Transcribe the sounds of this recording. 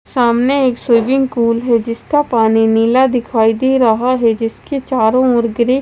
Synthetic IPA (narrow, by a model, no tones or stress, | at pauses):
saːmneeːksʊːbɪ̃ŋkuːlɦɛd͡ʒɪskapaːniniːlad̪ɪkʰaːid̪eɾɐɦaɦɛd͡ʒɪsket͡ʃaːɾõʊɾɡɾe